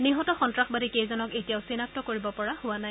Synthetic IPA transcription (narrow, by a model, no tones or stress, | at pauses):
niɦɔtɔxɔntɹaxbadikejzɔnɔketijaʊsinap̚tɔkoɹibɔpɔɹahʊwanaj